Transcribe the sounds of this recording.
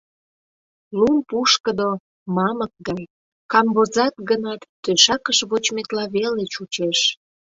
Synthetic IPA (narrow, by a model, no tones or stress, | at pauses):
lumpuʃkəd̪o | mɑmək̚ɡɑj | kɑmbozɑk̪̚ɡənɑt̪ːøʃɑkəʃβot͡ɕmet̪lɑβelet͡ɕut͡ɕeʃ